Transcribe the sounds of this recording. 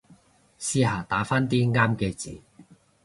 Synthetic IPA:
siː˥ɦaː˨˩t̪aː˨˥faː˥nt̪iː˥ŋaː˥mkeː˧t͡sḭː˨˩

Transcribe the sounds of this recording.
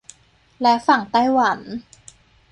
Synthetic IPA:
lɛ˦˥fa˨˩ŋt̪a˥˩jwa˩˦n

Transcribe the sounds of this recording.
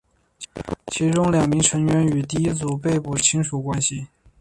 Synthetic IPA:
t͡ɕʰi˧˥ʈ͡ʂʊ˥ŋljɑ˨˩ŋmi˧˥ŋʈ͡ʂʰɤ˧˥ŋɥɛ˧˥ny˨˩t̪i˥˩i˥t͡su˨˩p̬e˥˧ɪpu˥˩t͡ɕʰi˥ŋʂu˨˩kwa˥nɕi˨

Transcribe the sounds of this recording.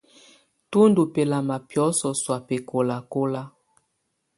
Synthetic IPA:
tu˦ndu˨pe˨la˨ma˨pjɔ˨˦sɔ˨swa˨pe˨ko˨la˨ko˦la˦

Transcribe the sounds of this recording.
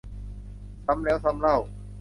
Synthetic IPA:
sa˦˥mlɛː˦˥wsa˧˥mla˥˩w

